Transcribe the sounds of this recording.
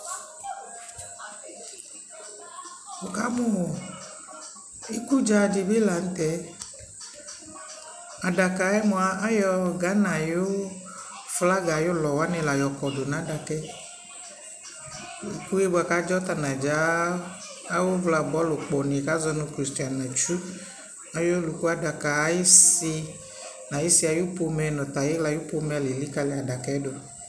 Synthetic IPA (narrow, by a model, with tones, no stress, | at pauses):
wo˨ka˦mõ˦˨ | e˦ku˦d͡ʒa˦˨d͡ʒi˨be˦la˨n̩˦t̪ɛ˦ | a˨ɖa˨ka˨ɛ˦mɔ̃˨a˨˦a˦jɔ˦ɡa˨˦nã˨jo˦ | fla˦ɡa˨jo˦lɔ˨wa˦nẽ˨la˨jɔ˨kɔ˨ɖo˨nã˨˦da˨kɛ˦˨ | ku˦je˦bo˦a˨ka˦d͡ʒɔ˦t̪a˨nã˨d͡ʒa˨˦ | a˦wo˦vla˨bɔ˨˦lo˨k͡pɔ˨nẽ˨ka˦zɔ˦nõ˨kɾi˨sti˨a˨nã˨t͡ʃu˦ | a˨jo˦lu˨ku˦a˨da˨ka˨˦je˦si˦ | nã˨je˦si˦a˨jo˦po˦mɛ˨nɔ̃˨t̪a˨je˦la˨jo˦po˦mɛ˨le˨li˦ka˦le˨a˨ɖa˨kɛ˨˦do˨